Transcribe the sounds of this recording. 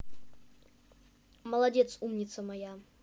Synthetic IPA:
mɐlˠɐdʲɛt̪sumnʲɪt̪səmɐja

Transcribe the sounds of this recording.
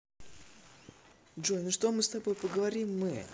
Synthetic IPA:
ʐonʂt̪o̞mɨst̪ɐbo̞jpəɡəvɐɾʲimːɨ

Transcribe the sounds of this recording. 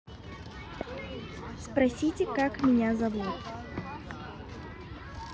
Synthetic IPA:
spɾasʲit͡sʲɪkakmʲɪnʲazabut̪ʲ

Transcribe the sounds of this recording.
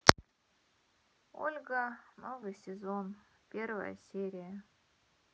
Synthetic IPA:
o̰lʲɡənovɨjsʲɪzon | pʲervə̰jə̰sʲeɾʲɪjə

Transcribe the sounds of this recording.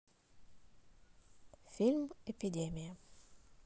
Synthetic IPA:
fʲilʲmɛpʲɪdʲemʲɪjɐ

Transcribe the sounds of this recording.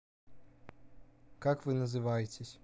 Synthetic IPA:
kakʋɪnɐzɪʋajetʲesʲ

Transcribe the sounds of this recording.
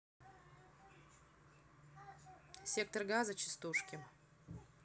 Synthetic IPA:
sʲek̚t̪ərɡazɐt͡ɕɪ̥st̪uʂkʲɪ

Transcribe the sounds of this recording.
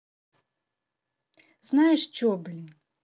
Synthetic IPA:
znajɛʂt͡ɕʲɔblʲi

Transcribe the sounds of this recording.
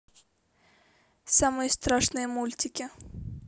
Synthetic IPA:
samɨjəst̪ɾaʂnɨjəmulʲt̪ʲɪkʲɪ

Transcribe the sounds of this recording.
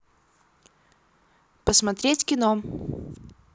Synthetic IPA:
pəsmɐt̪ɾʲetʲkʲɪno

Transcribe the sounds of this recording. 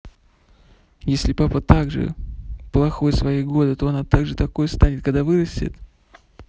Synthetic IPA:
jesʲlʲɪpapət̪aɡʐɨ̰plˠɐxo̞jsvɐjijɡo̞d̪ɨt̪o̞ɐnat̪aɡʐɨt̪ɐko̞jst̪anʲɪt̪̚kɐɡd̪avɨɾəsʲtʲɪ̰t̪

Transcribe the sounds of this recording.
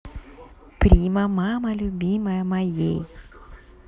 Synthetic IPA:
pɾʲimɐmamɐlʲʊbʲiməjəmɐjej

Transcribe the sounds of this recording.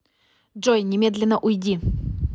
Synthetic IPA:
ʐojnʲɪmʲe̞d̪lʲɪnːəʔʊjdʲi

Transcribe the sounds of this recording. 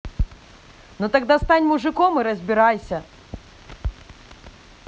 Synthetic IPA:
nut̪aɡd̪ast̪anʲmuʐɨkɔmɨɾɐzʲbʲiɾajsʲɐ

